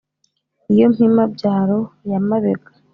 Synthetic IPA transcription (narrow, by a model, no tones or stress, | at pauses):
ijo̞m̥himabɟaːɾo̞jamaβeɡḁ